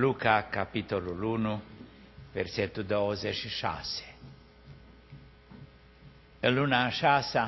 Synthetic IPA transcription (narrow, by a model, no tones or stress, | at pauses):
lukakapit̪olulunu | vḛrset̪ːud̪ozeʃiʃa̰se̥ | əlunaʃasa